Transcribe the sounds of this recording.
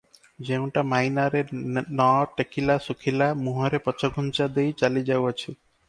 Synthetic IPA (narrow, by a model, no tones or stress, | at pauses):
d͡ʒew̃ʈamajnaɾenɔʈekʰilasukʰilamuɦɔɾepɔt͡ʃɔɡʱunt͡ʃad̪ejt͡ʃalid͡ʒawat͡ʃʰi